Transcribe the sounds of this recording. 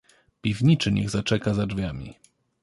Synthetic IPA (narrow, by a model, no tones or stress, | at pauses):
pʲivɲit͡ʂɘɲɛ̰ɣzat͡ʂɛkazad͡ʐvʲjamʲḭ